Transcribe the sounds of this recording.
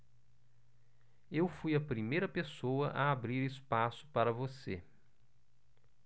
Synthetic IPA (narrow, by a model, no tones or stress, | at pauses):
ewfujɐpɾimejɾɐpesowɐʔɐabɾiɾɪspasʊ̥paɾɐvosḛ